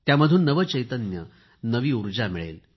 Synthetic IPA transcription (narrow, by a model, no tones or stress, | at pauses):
t̪jaməd̪ʱuːnːəʋət͡ɕəjt̪ənjə̰ | nəʋiːuɾd͡ʑamiɭḛl